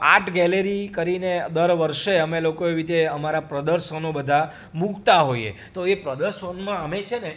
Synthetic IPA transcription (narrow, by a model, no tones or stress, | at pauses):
a̰ʈʰɡɛleɾikəɾined̪əɾʋəɾʃeəmelokoeʋit̪eəmaɾapɾəd̪əɾʃənobəd̪ʱa | mukt̪aɦoiḛ | t̪oepɾəd̪əɾʃənmãəmet͡ʃʰene